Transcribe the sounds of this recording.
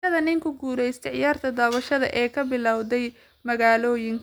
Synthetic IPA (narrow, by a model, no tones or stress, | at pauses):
ɐðɐnɪŋkʰʊɡuːɾɛjst̪ʰɛʕjaːrt̪ʰɐd̪aːβɐʃɐðɐ̰ʔɛːkʰɐbɪlɑwðɛj | mɐɣaːlɔːjɪŋkʰ